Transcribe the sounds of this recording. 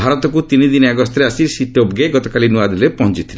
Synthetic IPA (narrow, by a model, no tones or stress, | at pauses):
bʱaɾɔt̪ɔkut̪inid̪inɔaɡɔst̪ɔɾeasisiʈobɡeɡɔt̪ɔkalinuad̪ɾepɔɦɔnt͡ʃit̪ʰile